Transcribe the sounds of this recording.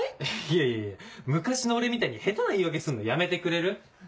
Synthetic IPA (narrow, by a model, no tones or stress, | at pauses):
ieieemɯ̟kaɕinoːɾe̞mʲit̪aɲ̟ihe̞t̪onaiːβake̞sɨ̃nːojame̞t̪e̞kɯ̟ɾe̞ɾɯ̟